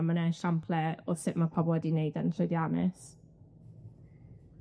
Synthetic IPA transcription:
mənɛʃampʰlɛoð̥sɪʔmapʰɔbɔɛdineɨdəntʰrʊjdianɪ̰s

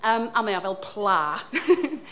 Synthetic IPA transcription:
əːmamajavɛlˠpʰlˠa

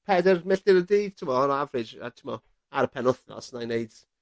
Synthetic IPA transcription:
pʰɛdərmɪɬd̥ɪɾədiːd̥tʰɪmɔɔnɔavrɪd͡ʒa̰tʰɪmɔ | aɾəpʰɛnʊθnɔ̰snajneɨd̥

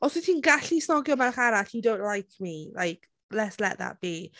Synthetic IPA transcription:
ɔswitʰinɡaɬisnɔɡjɔmanχaɾatidow̃nʔlajkʰmilajk | lɛtslɛ̰ʔ̚ða̰t̚b̥i

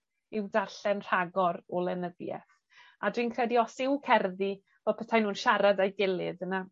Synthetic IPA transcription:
ɪwdarɬɛnr̥aɡɔɾɔlˠɛnəðjɛ̰θ | adwinkʰrɛdiɔsɪwkʰɛrði | v̥ɔpʰətʰajnuːnʃaɾadajɡɪlˠɨðəna

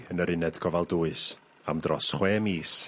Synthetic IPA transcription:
ənəɾɪnɛd̥ɡʰɔvalˠduːɨs | a̰mdrɔsχweːmiːs

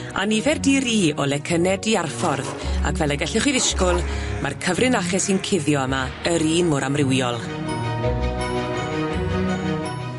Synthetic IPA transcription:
a̰nivɛrdiɾiːɔlɛkʰənɛdiarfɔrða̰kʰvɛlˠɛɡɛɬɪχwiðɪskʊlˠmarkʰəvrɪnaχɛsinkʰɪðjɔəma | əɾiːnmʊɾʔamrɪwiɔlˠ

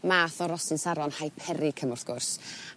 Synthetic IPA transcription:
maːθɔɾɔsɨnsaɾɔnhajpʰɛɾɪkʰəmʊrθɡ̥ʊrs

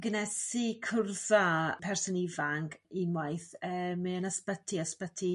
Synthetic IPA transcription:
ɡənɛsikʰʊrðapʰɛrsɔnivaŋɡimwajθəːmɨənəspətʰiəspətʰi

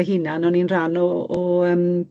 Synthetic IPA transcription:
ɦɪnanɔninranɔɔəːm

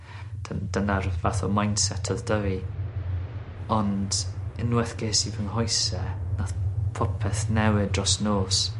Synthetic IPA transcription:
d̥d̥ənarvaθɔmajnsɛtʰɔðdəvi | ɔndɪnwɛθɡ̥eːsivənhɔjsɛnaθpʰɔpʰɛθnɛwɪdrɔsnoːs

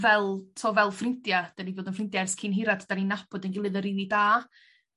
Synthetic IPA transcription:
vɛlˠtʰoːvɛlˠfrɪntjad̥anivoːdənfrɪntjaɛrskʰɪnɦɪɾadʰd̥aninapʰɔdənɡɪlˠɨðəɾinidaː

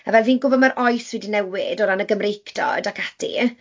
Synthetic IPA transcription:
avɛlˠviːnɡʊbɔdmaɾʔɔjswɛdinɛwɪdɔɾanəɡəmrejkʰdɔ̰dakʰad̥ḭ

